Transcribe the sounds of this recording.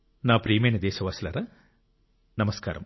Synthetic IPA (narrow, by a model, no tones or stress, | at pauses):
naːpɾiːjmejnɐd̪ɛːʃɐʋaːslɐɾa | nɐmɐskaːɾɐ̰m